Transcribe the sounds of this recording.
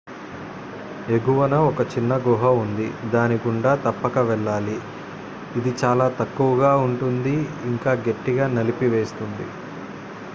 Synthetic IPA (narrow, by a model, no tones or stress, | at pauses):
eɡuʋɐnɐɔkɐt͡ʃinːɐɡuɦɐund̪id̪aːniɡuɳɖaːt̪ɐpːɐkɐʋɛɭːaːliː | d̪it͡ʃaːlaːt̪ɐkːuʋɐɡaːuɳʈund̪iiŋkaːɡe̞ʈːiɡaːnɐlipiʋe̞ːst̪und̪ḭ